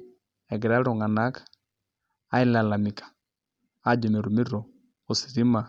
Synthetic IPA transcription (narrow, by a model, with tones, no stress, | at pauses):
ɛ˨ɡɪ˨ɾa˦ɾo˨ŋa˨na˦k | a˦ɪ˦la˨la˨mi˨kḁ˨ | a˦d͡ʒɔ˨me˨ɾu˨mi˦ɾo˨ | o˨si˨ɾi˦ma˨